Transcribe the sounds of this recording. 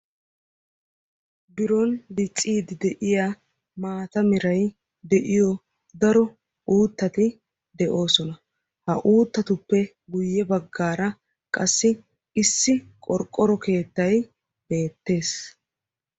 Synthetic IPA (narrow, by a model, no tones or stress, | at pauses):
bɪɾɔndɪt͡sʼːiːd̪ɪd̪ɛʔɪja | maːt̪ɐmɪɾɐj | d̪ɛʔɪjɔ | d̪ɐɾɔ | uːt̪ːɐt̪ɪ | d̪ɛʔo̞ːsɔnɐ | hɐʔuːt̪ːɐt̪ʊpːɛ | ɡʊjːɛbɐɡːaːɾɐ | kʼɐsːɪ | ɪsːɪ | kʼɔɾkʼːɔɾɔke̞ːt̪ːɐj | b̥e̞ːt̪ːe̞ːs